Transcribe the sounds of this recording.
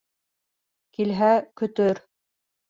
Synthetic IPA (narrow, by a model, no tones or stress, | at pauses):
kilɦækɵ̆t̪ɵɾ